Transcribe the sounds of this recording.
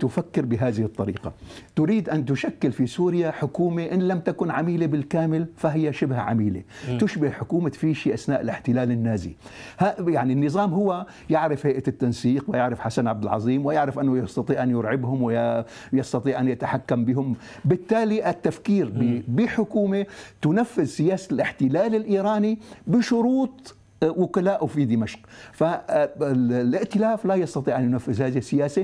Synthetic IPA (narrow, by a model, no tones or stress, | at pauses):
t̪ʊfakːɪɾbɪɦaːðɪhɨt̪ˤːɑɾiːqɑt̪ʊɾiːd̪ʔant̪ʊʃakːɪlfisuːɾjaħʊkuːmeʔɪnlamt̪akʊnʕamiːlebɪlkaːmɪlfaɦɪjːaʃɪbhʕa̰miːlḛt̪ʊʃbɪhħʊkuːmat̪fiːʃiʔasnaːʔɪlɪħt̪ɪlaːlɪnːaːzḭhajaʕninːɨzˤɑːmɦʊwːa | jɪʕɾɪfhajʔat̪ːansiːqwɪjɪʕɾɪfħasanʕab̚d̪ɪlʕɑ̰zˤiːmwɪjɪʕɾɪfʔɪnːʊjɑst̪ɑt̪ˤiːʕʔanjʊɾʕɪbhʊmwɪ | jɑst̪ɑt̪ˤiːʕʔanjɪt̪aħakːambɪhʊm | bɪt̪ːaːliʔɪt̪ːafkiːɾbɪħʊkuːmet̪ʊnafːɪzsɪjaːsalʔɪħt̪ɪlaːlɪlʔiːɾɑːnibɪʃʊɾuːt̪ˤ | wʊkalaːʔwfid̪ɪmaʃqfaɪllʔɪʔt̪ɪlaːflajɑst̪ɑt̪ˤiːʕʔanjʊnafːɪzhaːðihsːɪjaːsa